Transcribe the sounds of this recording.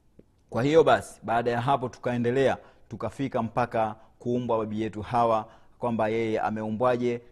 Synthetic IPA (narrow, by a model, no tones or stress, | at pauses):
kwahijɔɓasi̥ɓaːɗajaɦapɔtu̥kaɛndɛlɛatukafikam̩pakakuːmbwaɓaɓijɛtuhawa | kwambajɛjɛa̰mɛumbwaʄɛ